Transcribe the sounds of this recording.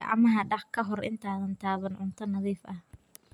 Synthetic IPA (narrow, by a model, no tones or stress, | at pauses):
ɑ̰ʕmɐɦɐɖɑħkʰɐɦɔrɪ̰nt̪ʰaːðɐnt̪ʰaːβɐnʕʊnt̪ʰɐnɐðiːfʔɐh